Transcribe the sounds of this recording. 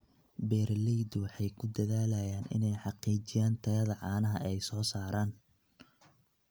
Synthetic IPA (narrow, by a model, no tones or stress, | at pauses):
bɛːrlɛjd̪wɑħɑjkʰʊd̪ɐðaːlɐjaːnɪ̰nɛjħɑqiːt͡ʃɪjaːnt̪ʰɐjɐðɐʕɑːnɐɦɐʔɛjsɔːsaːɾaːn